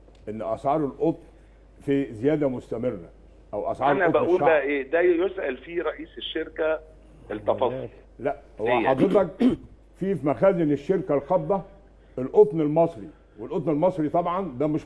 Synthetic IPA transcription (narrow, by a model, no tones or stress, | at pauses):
ʔenːʔæsʕɑːɾˤelʔot̪ˤn | fizejæːd̪æmost̪æmerːæ̰ | ʔæwʔæ̰sʕɑːɾnæbæʔuːlbæʔeːd̪æjjosʔælfiɾˤɑʔiːseʃːeɾkæ | elt̪ːɑfɑsˤːol | læʔhowːæjːħɑd̪ɾet̪ˤɑk̚ | fifimæxæːzeneʃːeɾkælxɑbd̪ˤɑ | ʔelʔot̪ˤnelmɑsˤɾi | welʔot̪ˤnelmɑsˤɾit̪ˤɑbʕɑnd̪æːmeʃ